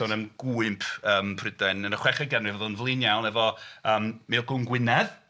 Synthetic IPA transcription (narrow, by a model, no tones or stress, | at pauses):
ɔnəmɡ̥uːɨmpʰəːmpʰrɪdɛnənəχwɛχaɡənrivɔðlˠənvlˠɪnjawnɛvɔəːmmeːlˠɡʊnɡwɪnɛð